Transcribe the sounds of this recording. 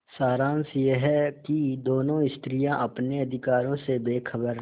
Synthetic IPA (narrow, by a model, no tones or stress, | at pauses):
saːɾãːnsjeɦɛkid̪oːnõɪst̪ɾijãʔɐpneɐd̪ʱɪkaːɾõsebeːkʰəbəɾ